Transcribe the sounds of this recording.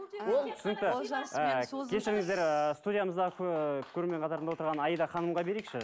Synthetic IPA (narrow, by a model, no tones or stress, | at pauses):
ot̪ʰʏ̥sənək̚t̪ə | kʲʰeʃɪɾɪŋɪzd̪eɾəst̪ud̪ʲijaməzd̪ɑʁəkʰʲkʲʰɵɾeme̞ɴqʰɑt̪ɑɾənd̪ɑwot̪ɾʁɑnɑjəd̪ɑχɑnəmʁɑbe̞ɾekʃɪ